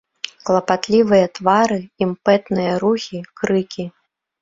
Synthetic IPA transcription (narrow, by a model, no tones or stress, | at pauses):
klˠɐpat̪lʲivɨjɐt̪vaɾɨimpɛt̪nɨjɐɾuxʲikɾɨkʲi